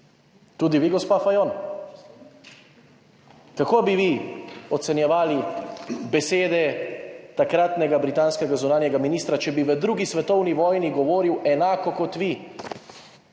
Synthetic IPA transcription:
t̪uːd̪iʋiɡɔspaːfajon | kakoːbiʋiɔt̪sɛnjɛʋaːlibɛseːd̪ɛt̪akɾat̪nɛɡabɾit̪aːnskɛɡazunaːnjɛɡaminiːst̪ɾat͡ʃɛbiʋəd̪ɾuɡisʋɛt̪ɔwniʋɔːjniɡɔʋoːɾiwɛnaːkɔkɔt̪ʋi

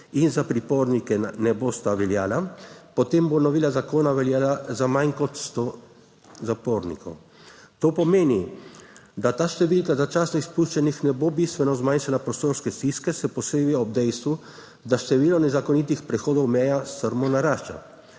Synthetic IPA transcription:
inzapɾipoːɾnikɛnɛboːst̪aʋɛljaːlapɔt̪eːmbonɔʋiːlazakoːnaʋɛljaːlazamajnkɔt̪st̪o | zapoːɾnḭkɔ̰w | t̪oːpɔmeːni | d̪at̪aːʃt̪ɛʋilkazat͡ʃaːsaispuʃt͡ʃɛnixnɛbobist̪ʋɛnɔzmanʃalapɾɔst̪oːɾskɛst̪iskɛsɛpɔseːbiɔb̚d̪ɛjst̪ʋu | d̪aʃt̪ɛʋiːlɔnɛzakɔnit̪ixpɾɛxoːd̪ɔwmɛjast̪əɾmɔnaɾaːʃt͡ʃa̰

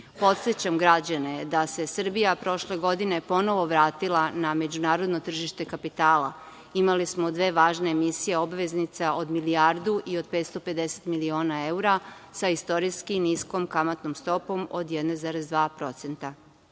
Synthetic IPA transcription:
po̞t̪set͡ɕamɡɾad͡ʑane̞d̪ase̞sr̩bijapɾo̞ʃle̞ɡo̞d̪ine̞po̞no̞ʋo̞ʋɾaːt̪ilˠaname̞d͡ʑunaːɾod̪not̪r̩ʒiʃt̪e̞kapit̪aːla̰ | imalismo̞d̪ʋe̞ːʋaːʒne̞ːmisije̞obʋe̞znit̪saʔo̞d̪miliaɾd̪uʔio̞d̪̚pet̪st̪o̞pe̞d̪e̞se̞̥t̪milio̞ːnae̞uɾasaist̪o̞ɾiskinisko̞mkamat̪nomst̪o̞po̞mod̪jed̪nezaɾezd̪ʋaːpɾo̞t̪se̞nt̪a

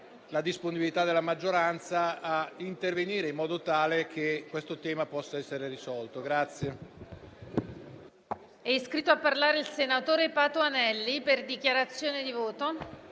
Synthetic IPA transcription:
lad̪isponibilit̪ad̪ːelamad͡ʒːoɾant̪saaint̪erveniːɾeimːɔːd̪ot̪aːlek̟ʰekːwest̪ot̪ɛːmapɔsːaɛsːeɾerisɔlt̪oɡɾat̪sːje | ɛiskɾit̪ːoapːarlaːɾeilsenat̪oːɾepat̪oanɛlːiperd̪ikjaɾat̪sːjoːned̪ivoːt̪o

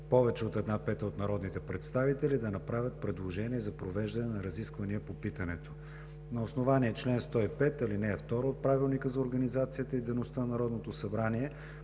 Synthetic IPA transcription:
pɔvɛt͡ʃɛot̪ɛd̪napɛt̪əot̪nɐɾɔd̪nit̪ɛpɾɛt̪st̪avit̪ɛlid̪ɐnɐpɾavʲət̪̚pɾɛd̪lˠoʒɛniɛzɐpɾovɛʒd̪ɐnɛnɐɾɐziskvɐniəpopit̪ɐnɛt̪o̥ | nɐosnovaniɛt͡ʃlɛnst̪ɔipɛt̪ɐlinɛːft̪ɔɾəot̪̚pɾavilˠnikəzɐoɾɡɐnizat̪sijət̪əid̪ɛnost̪ənnɐɾɔd̪not̪osɐbɾaniɛ

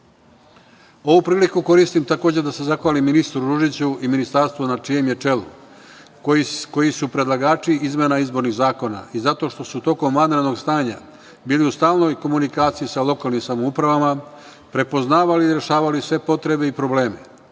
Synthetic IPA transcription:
o̞ʋupɾiːlikuko̞ɾist̪imt̪ako̞ːd͡ʑed̪ase̞zaxʋaːliminist̪ɾuɾuʒit͡ɕuʔiminist̪aɾst̪ʋunat͡ʃije̞mje̞t͡ʂe̞lu | ko̞jisupɾe̞d̪lˠaɡaːt͡ʃiizmenaizbo̞ɾniɣzaːko̞na̰izat̪o̞ʃt̪o̞sut̪o̞ko̞mʋand̪ɾed̪no̞ɡst̪aːɲa | biːliust̪aːlno̞jko̞munikaːt̪sijisalo̞kaːlnimsamoupɾaʋama | pɾe̞po̞znaːʋaliɾe̞ʃaːʋalisʋe̞po̞t̪ɾe̞be̞ipɾo̞ble̞ːme̞

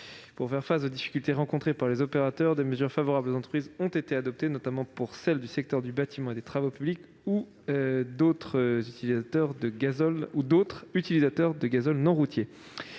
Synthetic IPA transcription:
puʁfɛʁfasod̪ifi̥kʲylt̪eʁɑ̃kɔ̃t̪χepaʁlezɔpeʁat̪œʁd̪eməzyʁfavɔʁablozɑ̃t̪χəpχizɔ̃t̪et̪ead̪ɔp̚t̪enɔt̪amɑ̃puʁsɛld̪ysɛk̚t̪œʁd̪ybat̪imɑ̃ed̪et̪χavopyblik | u | d̪ot̪χəzyt̪ilizat̪œʁd̪əɡazɔlud̪ot̪χyt̪ilizat̪œʁd̪əɡazɔlnɔ̃ʁut̪ʰje

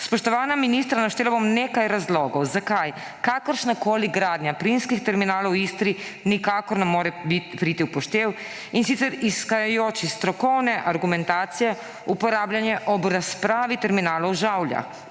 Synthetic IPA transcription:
spɔʃt̪ɔʋaːnaminist̪ɾanaʃt̪eːlabomneːkajɾazlɔːɡɔwzakaj | kakɔɾʃnakoːliɡɾaːd̪ɲjapɾinskixt̪ɛɾminaːlɔwist̪ɾi | nikaːkɔɾnɛmoːɾɛbit̪pɾit̪iupɔʃt̪eːw | insit̪sɛɾiskajajoːt͡ʃist̪ɾɔkɔwnɛʔaɾɡumɛnt̪aːt̪sijɛ | upɔɾaːblanjɛʔɔbɾaspɾaːʋit̪ɛɾminaːlɔwʒawlja̰

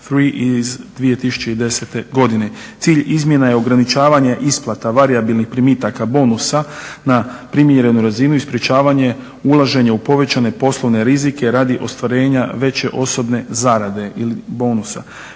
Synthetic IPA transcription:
fɾiʔizd̪ʋije̞t̪isu̥t͡ɕe̞id̪e̞set̪e̞ɡo̞d̪ine̞t̪siːʎizmje̞naje̞o̞ɡɾanit͡ʃaːʋaɲeʔisplˠat̪aʋaɾiabilˠnixpɾimit̪akabo̞ːnusanapɾimjeɾe̞nuɾazinuispɾje̞t͡ɕaːʋaɲe̞ | ulˠaʒe̞ɲeupo̞ʋe̞t͡ɕane̞po̞slˠo̞ʋne̞ɾizike̞ɾad̪iʔo̞st̪ʋaɾe̞ːɲaʋe̞t͡ɕe̞ʔo̞so̞bne̞zaɾad̪e̞ilibo̞ːnusa̰

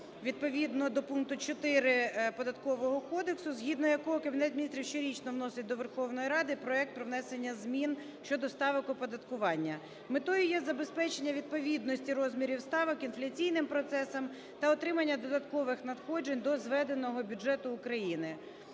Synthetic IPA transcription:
ʋʲid̪̚pɔʋʲid̪nɔd̪ɔpunk̚t̪ʊt͡ʃɔt̪ɪɾɪpɔd̪ɐt̪kɔʋɔɦɔkɔd̪eksʊzɦʲid̪nɔjɐkɔɦɔkɐbʲinɛt̪mʲinʲist̪ʲɾʲiwʃt͡ʃɔɾʲit͡ʃnɔʋnɔsɪt̚ʲd̪ɔʋerxɔwnɔjiɾɑd̪ɪpɾɔɛk̚t̪̚pɾɔʋnɛsenʲːɐzmʲin | ʃt͡ʃɔd̪ɔst̪ɑʋɔkʊpɔd̪ɐt̪kʊʋɑnʲːɐ | mɪt̪ɔjʊjɛzɐbespɛt͡ʃenʲːɐʋʲid̪̚pɔʋʲid̪nɔsʲtʲiɾɔzmʲiɾʲiwst̪ɑʋɔkinflʲɐt͡sʲijnɪmpɾɔt̪sɛsɐm | t̪ɐɔt̪ɾɪmɐnʲːɐd̪ɔd̪ɐt̪kɔʋɪxnɐt̪xɔd͡ʒenʲd̪ɔzʋɛd̪enɔɦɔbʲud͡ʒɛt̪ʊːkɾɐjinɪ

